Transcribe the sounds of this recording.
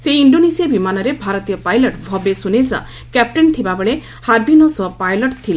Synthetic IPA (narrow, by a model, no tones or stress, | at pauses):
seiɳɖonesiabimanɔɾebʱaɾɔt̪ijɔpajlɔʈbʱɔbesunesa̰ | kɛp̚ʈent̪ʰibabɔɭe | haɾbʱinosɔpajlɔʈt̪ʰil